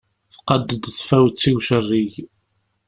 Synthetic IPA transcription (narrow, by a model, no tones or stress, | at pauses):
θqəd̪əd̪θfæwt͡sːiwʃərːiʝ